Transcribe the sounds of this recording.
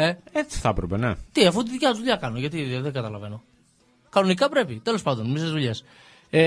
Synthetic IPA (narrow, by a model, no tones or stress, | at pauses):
eet͡si̥θɐpɾepenet̪iɐfut̪iðicɐzðuʎɐkɐnoʝɐt̪̬iðeŋɡɐt̪ɐlɐve̞no̞ | kɐno̞nikɐpɾe̞pit̪e̞lo̞spɐnd̪o̞nmisezðuʎe̞s | e